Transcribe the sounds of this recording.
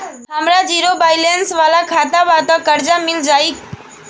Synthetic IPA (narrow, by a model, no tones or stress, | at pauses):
ɦamɾad͡ʒiɾobajlensʋalakʰat̪aʋat̪ɔkəɾd͡ʒamild͡ʒai